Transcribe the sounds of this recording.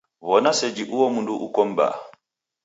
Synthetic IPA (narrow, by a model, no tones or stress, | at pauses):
βɔnasɛd͡ʒiʔuwɔmunduʔukɔm̩ba̰